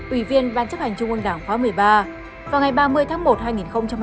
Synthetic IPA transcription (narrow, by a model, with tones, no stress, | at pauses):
ʔwi˧˩vi˧ənɓaː˧˩nt͡ɕə˦˥p̚hɛ˨˩jŋ̟t͡ɕʊ˧ŋ͡mʔɨ˧ŋɗaː˧˩ŋxwaː˨˦mɨ˨˩əjɓaː˧ | vaː˨˩wŋa˨˩jɓaː˧mɨ˧əjt̪ʰaː˨˦ŋmo˨˩t̚haː˧jŋi˨˩nxə˧wŋ͡mt͡ɕa˧m